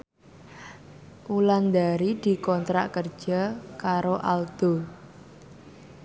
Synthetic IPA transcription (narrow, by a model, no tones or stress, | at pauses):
ʔuland̪aɾid̪̥i̤kɔnt̪ɾaʔkərd̥ʒ̥a̤kaɾoʔald̪̥o